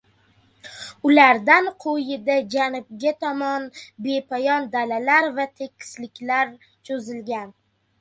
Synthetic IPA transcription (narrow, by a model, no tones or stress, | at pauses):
ʊlaɾd̪anqʰojɪd̪ad͡ʒanʊb̚ɡʲat̪ʰɒmɒnbe̞pʰajɒnd̪alalaɾvat̪ʰe̞kʲʰːɪ̥slɪkʲlaɾ | t͡ʃʰozɪlɡʲan